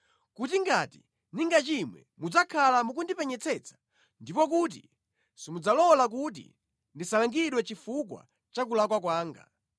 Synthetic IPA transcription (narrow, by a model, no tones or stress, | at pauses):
kutiŋɡati | niŋɡat͡ʃimwɛ̰mud͡zakʰalamuk̬undipɛɲɛt͡sʰɛt͡sʰḁ | ndipɔk̬uːt̬ḭ | simud͡zalɔlak̬ut̬ḭ | ndisalaŋɡiɗwɛt͡ʃifuk̬wa̰ | t͡ʃak̬ulakwak̬waːŋɡa̰